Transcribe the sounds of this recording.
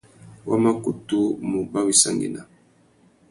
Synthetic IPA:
wa˦ma˦ku˨tu˦mu˨ba˦wi˨sa˦˨ŋɡḭ˨na˨

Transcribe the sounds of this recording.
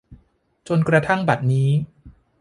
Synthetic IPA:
t͡ɕo˧nkɾa˧t̪ʰa˥˩ŋba˨˩t̪̚niː˦˥

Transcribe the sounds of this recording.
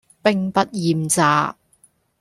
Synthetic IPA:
pɪ˨˧ŋpɐ˥t̚jiː˨mt͡saː˨˧

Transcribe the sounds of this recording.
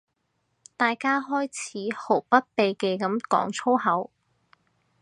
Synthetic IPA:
t̪aː˨jkaː˥ɦɔː˥jt͡sʰiː˨˥ho˨˩wpɐ˥t̚pe˨jke˨˧jkɐ˨˥mkɔ̰ː˨˥ŋt͡sʰo˥whɐ˨˥w

